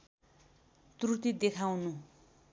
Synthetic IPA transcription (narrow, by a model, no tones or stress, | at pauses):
t̪rut̪id̪ekʰawnu